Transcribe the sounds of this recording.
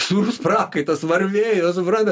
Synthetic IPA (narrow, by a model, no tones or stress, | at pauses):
suɾuspɾɑːkɐɪt̪ɐsʋɐɾʲʋʲeːjoːsʊpɾɑnd̪ʲ